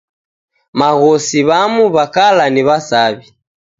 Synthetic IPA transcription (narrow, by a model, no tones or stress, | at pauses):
maɣɔsiβamuβakalaniβasaβi